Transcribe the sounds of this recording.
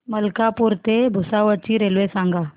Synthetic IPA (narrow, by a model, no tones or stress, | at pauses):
məlkapuɾt̪ebʱusaʋət͡ɕiɾelʋesãŋɡa